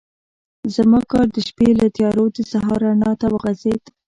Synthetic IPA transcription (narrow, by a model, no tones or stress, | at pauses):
zamɑkɑɾd̪əʃpelat̪jɑɾod̪əsaɦɑɾɑnɑt̪awəɣazed̪